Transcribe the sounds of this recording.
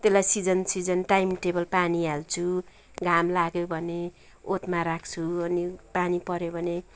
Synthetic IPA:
t̪elajsid͡zʌnsid͡zʌnʈajmʈebʌlpanialt͡sʰu | ɡʱamlaɡjobʱʌne | ot̪maɾakʰt͡sʰuʌnipanipʌɾjobʱʌne

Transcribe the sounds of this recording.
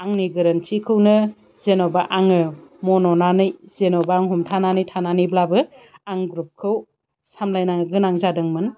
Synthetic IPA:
aŋniɡɯɾɐnt͡ʃikʰɯwnɯ | zenɔbaʔaŋɯmɔnɔnanɯjzenɔbaaŋɦumtʰananɯjtʰananiblabɯaŋɡɾup̚kʰɯw | samlajnaŋɡɯnaŋzadɯŋmɯn

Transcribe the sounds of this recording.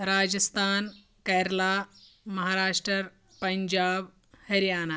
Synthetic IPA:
ɾaːd͡ʒəst̪ʰaːn | kɐjɾla | mɐɦaːɾaːʂʈɾəɾ | pɐɲd͡ʒaːb | hɐɾijaːna

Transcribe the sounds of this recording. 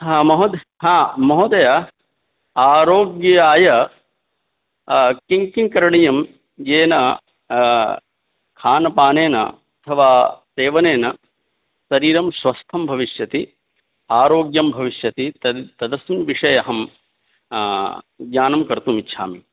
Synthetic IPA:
mɐɦod̪ | ɦãːmɐɦoːd̪ɐjɐ | aːɾoːɡjɐjaːjɐ | kiŋkiŋkɐɾɐɳɐjɐm | jeːnɐ | kʰaːnɐpaːneːnɐ̰ | ɐt̪ʰɐʋaːseːʋɐneːnɐ | sɐɾiːɾɐmsʋɐst̪ʰɐmbʱɐʋiʃjɐt̪i | aːɾoːɡjɐmbʱɐʋiʃjɐt̪it̪ɐt̪ɐd̪ɐsimʋiʂɐjɐɦɐm | ɡɲaːnɐmkɐɾt̪uːmitːʃʰa̰ːmḭ

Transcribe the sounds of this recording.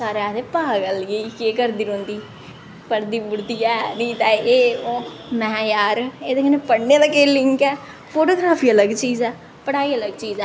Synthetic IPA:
saːɾeaːt̪eːpaːɡəlɡəikeːkəɾd̪iːɾõːnd̪iː | pəɾd̪iːbʊɾd̪iːɛːnĩːt̪ɛːeːoː | mɛ̃ːjaːɾeːd̪eːkənepəɽneːd̪əkeːlɪŋkɛː | pʰoːʈoːɡɾaːpʰiːələɡt͡ʃiːzɛː | pəɽaːiːələɡt͡ʃiːzɛː

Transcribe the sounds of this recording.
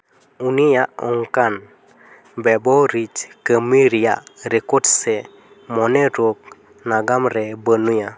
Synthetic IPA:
unijaɔŋkan | bɛboɾit͡ʃkəmiɾijaɾekodsɛ | mɔneɾok̚ | naɡamɾɛbənuja

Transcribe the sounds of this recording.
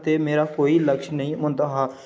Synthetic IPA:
t̪emeːɾakoːiləkʃnəɦĩmʊ̃nt̪əɦaː

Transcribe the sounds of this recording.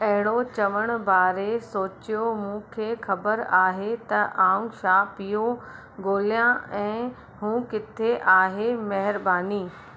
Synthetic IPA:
ɐɦɪɽ̃ot͡ɕɐʋəɽ̃ʊ̆baːɾesoːt͡ɕijomũːkʰeːxɐbəɾaːɦet̪ɐʔaːũʃaːpijo | ɡoːlijãɛ̃ː | ɦũːkɪt̪ʰeʔaːɦemɐɦɪɾbaːniː

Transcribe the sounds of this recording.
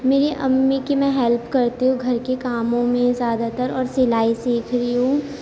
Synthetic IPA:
meːɾeʔɐmːikimɛ̃ɦɛlpkɐɾt̪iɦũɡʱɐɾkekaːmõmẽzjaːd̪at̪əɾɔːɾsɪlaːisiːkʰɾəiɦũː

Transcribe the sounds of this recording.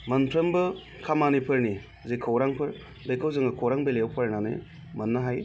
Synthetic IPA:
mɐnpʰɾɐmbɯ | kʰamanipʰɯɾni | zekʰɐwɾaŋpʰɯɾ | bejkʰɐwzɯŋɯkʰowɾaŋbelewpʰɐɾnanḛ | mɐnːɐɦaj

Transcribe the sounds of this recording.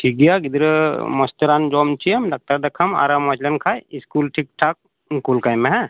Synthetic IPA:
ʈʰik̚ɡijaɡid̪ɾəmɔst̪ɾand͡ʒɔmt͡ʃijəmɖak̚ʈɐɾd̪ɐkʰɐma̰ɾamɔt͡ʃlɐnkʰajiskulʈʰik̚ʈʰak̚ | kulkajmeɦɛ̃

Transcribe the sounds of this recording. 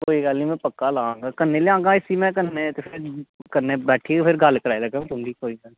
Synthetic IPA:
koːiɡaːlĩmɛ̃pəkːalãːŋɡakənːẽleãːɡãɪsimɛ̃kəɾnet̪epʰɪɾkəɾnẽbɛːʈʰiefʰɪɾɡaːlkəɾaːelɐɡõt̪ʊmd̪ikoːina

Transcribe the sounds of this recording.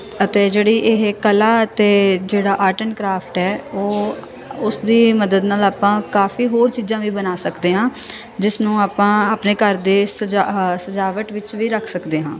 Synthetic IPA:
ət̪eːd͡ʒeːɽiːʔɪɦkəlaːət̪eːd͡ʒeːɽaːʔaːʈənkɾaːpʰʈɦɛːoː | ʊsd̪iːməd̪əd̪naːlaːpãːkaːfʰiːɦoːɾt͡ʃiːzãːʋiːbənaːsəkd̪eːɦãː | d͡ʒɪsnũːaːpãːaːpneːkəɾd̪eːsəd͡ʒsəd͡ʒaːʋəʈʋɪt͡ʃʋiːɾəkʰsəkd̪eːɦãː

